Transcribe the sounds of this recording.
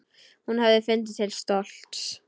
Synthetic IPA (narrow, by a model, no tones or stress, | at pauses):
hunhavðɪfʏnt̪̬ɪt̪ʰɪlst̪ɔl̥t̪s